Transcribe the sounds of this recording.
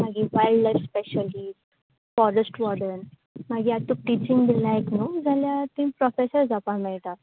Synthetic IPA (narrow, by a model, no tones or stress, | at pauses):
m̤aɡiːʋajlɖlajfspeɕəlisʈ | fɔɾəsʈʋɔɽən | maɡiːat̪ːuʈit͡ɕĩŋɡd̪ilːãeknud͡zʱaljat̪ĩmpɾɔfesəɾd͡zʱapãmɛɭt̪at̪